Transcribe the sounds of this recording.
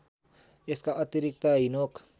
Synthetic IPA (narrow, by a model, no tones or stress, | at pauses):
ɪskaʔɐt̪iɾɪk̚t̪aɦinoːk